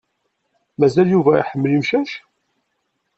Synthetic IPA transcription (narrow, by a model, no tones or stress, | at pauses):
mæzæljuvæḭħəmːlimʃæʃ